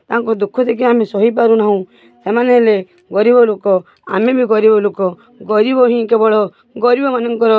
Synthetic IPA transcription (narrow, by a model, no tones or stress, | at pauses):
t̪aɦãŋkɔd̪ukʰːɔt̪ek̬iamesɔɦipaɾunaɦũ | semaneɦele | ɡɔɾibɔlokɔ | a̰mebʱiɡɔɾibɔlokɔ | ɡɔɾibɔɦĩkebɔɭɔ | ɡɔɾibɔmanɔŋkɔɾɔ